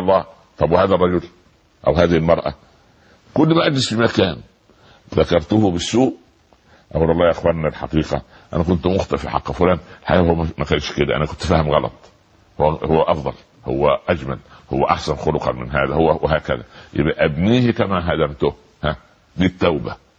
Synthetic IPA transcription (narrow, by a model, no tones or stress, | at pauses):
lˤːɑː | t̪ˤɑbwhæːðærˤːɑd͡ʒʊl | ʔæ̰whæːðɪhilmɑɾˤʔɑ̰ | kʊlːmæʔæd͡ʒlɪsfimækæːn | ðækɑɾˤt̪ʊhʊbɪsːuːʔ | ʔæwlʔɑlˤːɑːjʔexwɑɾˤnælħɑ̰qiːqɑ̰ | ʔæ̰nækʊnt̪mʊxt̪ˤɑfḭħɑ̰qːfʊlæːnʔelħa̰ʔæːhowːææmækæːnʃked̪æʔæ̰nækʊnt̪fæːhɪmɣɑlɑ̰t̪ˤ | howːæhowːæʔɑfd̪ˤɑl | ho̰wːæʔæd͡ʒmælhowːæʔaħsænxolʊqɑ̰nmɪnɦæːðæhowːæweɦæːkæ̰ðæ̰jḛbʔæʔæbniːhkæmæɦæd̪æmt̪ʊh | hæ | d̪iːt̪ːæwbæ